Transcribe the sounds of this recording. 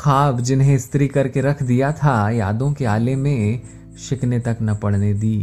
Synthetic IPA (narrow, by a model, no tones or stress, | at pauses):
xaːbd͡ʒɪnɦẽɪst̪ɾikɐɾkeɾɐkʰd̪ijat̪ʰaja̰ːd̪õkeaːlemẽ | ʃɪknet̪ɐknɐpɐɽ̤ned̪iː